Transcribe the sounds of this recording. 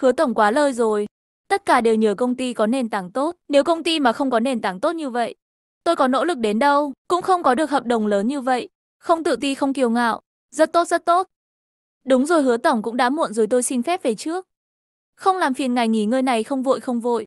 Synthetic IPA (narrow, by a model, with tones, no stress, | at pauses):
hɨ˨˦ət̪ə˧˩ŋ͡mkwaː˨˦ləː˧jzo˨˩j | t̪ə˦˥t̚kaː˧˩ɗe˨˩wɲəː˨˧˩kə˧wŋ͡mt̪i˧kɔ˨˦ne˨˩nt̪aː˨˩ŋt̪o˦˥t̚ne˨˦wkə˧wŋ͡mt̪i˧maː˨˩xə˧wŋ͡mkɔ˨˦ne˨˩nt̪aː˨˩ŋt̪o˦˥t̚ɲɨ˧və̰˧˨j | t̪o˧jkɔ˨˦no̰˧˥lɨ˨˩k̚ɗe˨˦nɗə˧wkʊ̰˧˥ŋ͡mxə˧wŋ͡mkɔ˨˦ɗɨ˨˩ək̚hə˨˩p̚ɗə˨˩wŋ͡mləː˨˦nɲɨ˧və̰˧˨j | xə˧wŋ͡mt̪ɨ̰˧˨t̪i˧xə˧wŋ͡mki˨˩əwŋa̰ː˧˨wʔ | zə˦˥t̚t̪o˦˥t̚z̥ə˦˥t̚t̪o˦˥t̚ | ɗʊ˨˦ŋ͡mzo˨˩jɦɨ˨˦ət̪ə˧˩wŋ͡mkʊ̰˧˥ŋ͡mɗa̰ː˧˥mṵ˧˨ənzo˨˩jt̪o˧jsi˧ŋfɛ˦˥p̚ve˨˩t͡ɕɨ˦˥ək̚ | xə˧wŋ͡mlaː˨˩mfi˨˩ənŋa˨˩jŋi˧˩ŋɨ˧jna˨˩jxə˧wŋ͡mvo̰˧˨jxə˧wŋ͡mvo̰˧˨j